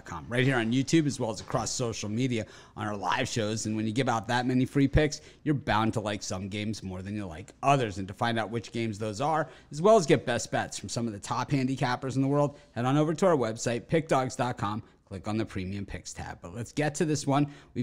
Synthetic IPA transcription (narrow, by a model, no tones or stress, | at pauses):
t̚kʰɑ̰̃mɹaɪt̚hiɹɨ̃njʉtʰʉbɨzwɛlˠəzəkʰɹ̥ɔsoʊʃl̩ˠmiɾiɨ | ʔə̃nə˞la̰ɪv̥ʃoʊzɨ̃nwɨ̃njɨɡɪvaʊt̪̚ðət̚mɛnifɹipʰɪks | jə˞bãʊ̃ntʰəlaɪksʌ̃mɡẽɪ̃mzmɔɹðɨ̃njə˞la̰ɪkʔʌðə˞zɨ̃ntɨfãɪ̃ndaʊt̚wɨt͡ʃɡ̥ẽɪ̃mzðoʊzə˞ɨzwɛlˠəzɡɛt̚b̥ɛsb̥ɛtsfɹʌ̃msʌ̃mʌvðɨtʰɑphæ̃ndikʰæpə˞zn̩ðəwɜ˞lˠd̚hɛɾnoʊvə˞tʰəaʊə˞wɛb̥saɪt̚pʰɪk̚d̥ɑɡz̥dɑt̚kʰɑ̃m | kʰl̥ɪkn̩ðɨpʰɹ̥ĩmiɨ̃mpʰɪkstʰæ̰b̚b̥ʌtˡlɨtsɡ̥ɛtʰɨðɪswʌ̃nwi